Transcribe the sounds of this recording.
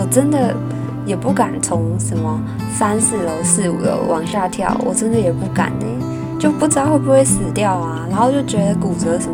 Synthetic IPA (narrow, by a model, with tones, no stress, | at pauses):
wɔ˨˩ʈ͡ʂə˥nd̪ə˨ | jɛ˨˩pu˥˩ka˨˩nt͡sʰʊ˧˥ŋʂə˧˥nmə˧ | sa˥nsɹ̩˥˩lə˧sɹ̩˥˩ṵ˨˩ɡə̰˧˩wʔɑ̰˧˥ŋɕja˥˧t̪ʰjɑ̰˥˩ʊwʔɔ̰˨˩ʈ͡ʂə˥nd̪ə˨jɛ˨˩pu˥˩ka̰˨˩˦nne˥˩ɪ | t͡ɕjo˥˧ʊpu˥˩t͡sa˨˧˥xwe˥˧ɪp̬u˧˥xwe˥˩ɪsɹ̩˨˩t̪jɑ˥˩ʊa˩na˧˥nxo˥˧˩t͡ɕjo˥˩ʊt͡ɕɥɛ˧˥d̪ə˧ku˨˩t͡sɤ˧˥ʂə˧˥